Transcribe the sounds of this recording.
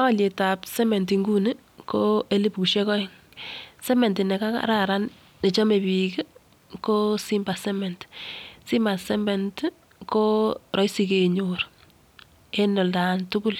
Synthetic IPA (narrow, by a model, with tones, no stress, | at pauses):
a˦wa˦le˨ta˨psɛ˦me˨nti˨ŋɡu˦nɪ˦ | kʰoe˦li˦pku˨ʃe˦kɔ˦ŋ | sɛ˦mɛ˨ntɪ˨nɛ˨ka˦ka̰ɾaɾa˦n | ne˨t͡ʃɔ˦me˨pike˦ | ko˦si˦mba˨sɛ˦mɛ˨ntsi˦ma˨sɛ˦mɛ˨nt | ko˦ɾʔɔ˦jsi˦keɲʊr | e˦nɔ˨ldantu˦ku˦l